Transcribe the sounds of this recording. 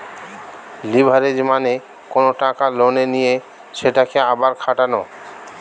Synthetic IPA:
libʱaɾed͡ʑmane | konoʈakalonenije | ʃeʈakeabaɾkʰaʈano

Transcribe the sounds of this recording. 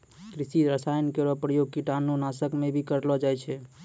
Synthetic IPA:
kɾisiɾəsajənkeɾɔpɾəjoɡ̚kiʈanonasəkmebʱikəɾlɔd͡ʒajt͡ʃʰɛ

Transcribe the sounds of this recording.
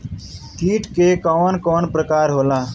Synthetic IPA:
t̪ʰiːʈkekɔːnkɔːnpɾəkaːɾɦoːlaː

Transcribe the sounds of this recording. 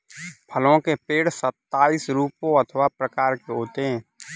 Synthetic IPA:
pʰəlõkepeːɽsət̪ːaːisɾuːpõət̪ʰəʋapɾəkaːɾkeɦoːt̪eɦɛ̃ː

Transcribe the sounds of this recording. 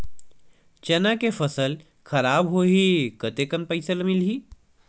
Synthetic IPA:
t͡ʃɐnakefʰəsəl | kʰɐɾaːbɦoːɦikət̪ekənpəɪsəlmilɦiː

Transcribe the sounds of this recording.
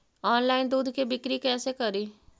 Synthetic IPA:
ɔːnlaːɪnd̪uːd̪ʱkebɪkɾikɛːsekɐɾiː

